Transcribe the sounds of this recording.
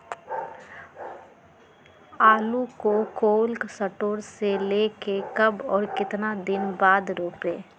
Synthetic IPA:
aːlukokoːlksəʈoːɾseleːkekɐbɔːɾkɪt̪nad̪ɪnbaːd̪ɾoːpeː

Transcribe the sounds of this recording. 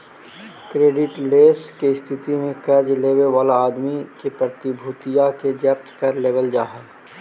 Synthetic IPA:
kɾeːɖɪʈleːskeɪst̪ʰɪt̪imẽkɐd͡ʒleːweʋaːlaaːd̪mikepɾət̪ɪbʱuːt̪ijaked͡ʒɛːp̚t̪kɐɾleːʋəld͡ʒaːɦəl

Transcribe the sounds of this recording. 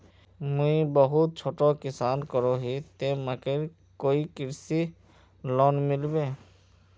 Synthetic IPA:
muibɔɦut̪̚t͡ʃʰoʈɔkisankɔɾɔɦit̪emakeɾ | koikiɾsi | lɔnmilbe

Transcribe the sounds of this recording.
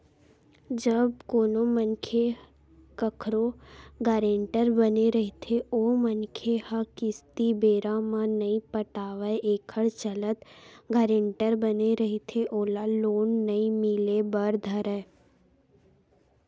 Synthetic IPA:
d͡ʒəbkoːnomənkʰe | kəkʰɾoɡaːɾẽːɳʈəɾbəneɾəɦit̪ʰeoːmənkʰehəkɪst̪ibeːɾãmãnɐĩpəʈaːʋəʔeːkʰəɽt͡ʃələt̪ɡaːɾẽːɳʈəɾbəneɾɐɦit̪ʰeʔoːlaloːnːəĩmilebəɾd̪ʱəɾɛ

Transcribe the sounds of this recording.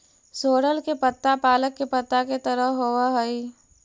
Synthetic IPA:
soːɽəlkepət̪ːapaːləkːepət̪ːaket̪ɐɾəɦoaɦɐi

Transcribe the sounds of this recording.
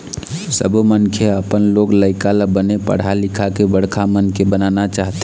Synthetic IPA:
səbʱmənkʰeəpənloɡləɪkaləbənepə̰ɽ̤alikʰakebəɽ̤kʰamənkebənanat͡ʃaɦt̪e

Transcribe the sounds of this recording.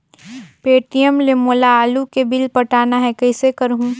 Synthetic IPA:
peːʈijəmlemolaaːlukebɪlpɐʈaːnaɦɛkɐɪsekɐɾɦũ

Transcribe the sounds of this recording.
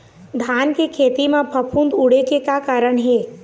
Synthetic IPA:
d̪ʱaːnkekʰeːt̪imẽpʰəpʰund̪uɽekekakaːɾəɳɦeː

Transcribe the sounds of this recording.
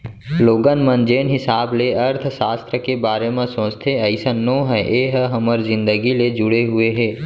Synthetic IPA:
loːɡənmənd͡ʒeːnɦɪsaːbleəɾt̪ʰʃaːst̪ɾəkebaːɾemẽsõːst̪ʰeəɪsənːõːɦɛʔeːɦɦəməɾzɪ̃nd̪əɡiled͡ʒʊɽeɦʊeɦɛː

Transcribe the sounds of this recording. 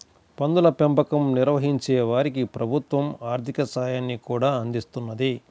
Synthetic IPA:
pɐnd̪ulɐpempɐkɐmniɾʋɐɦiɲt͡ʃeːʋaːɾikipɾɐbʱut̪ʋɐmaːɾt̪ʰikɐsaːjaːnːikuːɽaːɐnd̪ist̪unːɐd̪i

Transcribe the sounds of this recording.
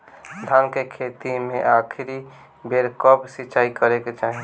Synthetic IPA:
d̪ʱankekʰet̪imẽʔakʰiɾi | beɾkəbsiːt͡ʃaikəɾeket͡ʃaːɦi

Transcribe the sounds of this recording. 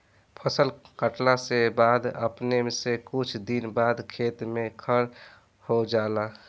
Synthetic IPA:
pʰəsəlkəʈlasebaːd̪ə̰pnemesekut͡ʃʰd̪inbaːd̪kʰet̪mẽkʰəɾ | hod͡ʒala

